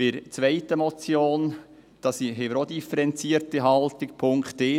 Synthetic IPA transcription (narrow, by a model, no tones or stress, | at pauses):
pɪɾt͡sʋɛɪtəmɔt͡sjoːn | d̥ɑsiɦeməɾod̪ifəɾɛnt͡siːɾtiɦɑltɪk̚pʰʊŋkte